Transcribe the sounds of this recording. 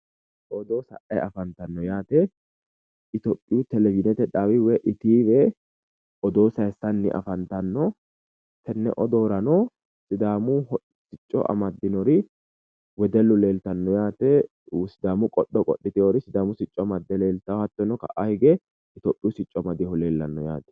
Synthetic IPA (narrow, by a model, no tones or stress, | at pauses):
ʔɔd̪oːsɐ̰ʔɐ̰jɐfɐnt̪ɐnːɔjaːt̪ɛ | ɪt̪opʼːɪjut̪ɛlɛvɪd̪ɛt̪ɛᶑaːwɪwɛʔɪt̪iːbɛ | ʔɔd̪oːsɐɛsɐnːɪ̰ʔɐ̰fɐnt̪ɐnːɔ | t̪ɛnːɛ̰ʔɔd̪oːɾɐnɔ | sɪd̪aːmʊhɔ | sɪt͡ʃʼːɔ̰ʔɐ̰mɐd̪ːɪnɔɾɪ | wɛd̪ɛlːʊle̞ːlt̪ɐnːɔjaːt̪ɛ | sɪd̪aːmʊkʼɔɗɔkʼɔɗːɪt̪ɪoɾɪsɪd̪aːmʊsɪt͡ʃʼːɔmɐd̪ːɛle̞ːlt̪ɐhɐt̪ːɔnːɔkɐ̰ʔahɪɡɛ | ɪt̪ɔpʼːɪjʊsɪt͡ʃʼːɔmɐd̪ɪhɔle̞ːlːɐnːɔja̰ːt̪ɛ̥